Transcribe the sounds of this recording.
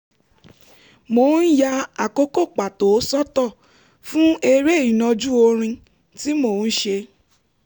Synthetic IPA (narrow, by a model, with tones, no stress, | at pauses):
mo˨n̩˦ja˧a˨ko˦ko˦˨k͡pa˨to˨˦sɔ˦tɔ˦˨ | fũ˦e˧ɾe˦i˨nã˧d͡ʒu˦o˧ɾ̃ĩ˧ | ti˦mo˦˨n̩˦ʃe˧